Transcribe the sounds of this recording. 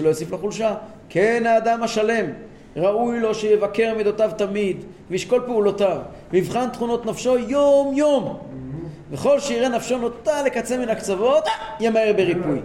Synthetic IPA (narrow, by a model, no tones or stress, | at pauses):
elo̞jesiflaχulʃa | kʰenaːd̪amhaʃale̞m | ʁaujlo̞ʃejevake̞ʁmid̪o̞t̪avt̪amid̪ | veiʃko̞lpeulot̪av | ivχant̪χuno̞t̪nafʃo̞jomjo̞m | veχo̞lʃeiʁenafʃo̞no̞t̪ale̞kat͡seminakt͡savo̞t̪jemaeʁbeʁipuj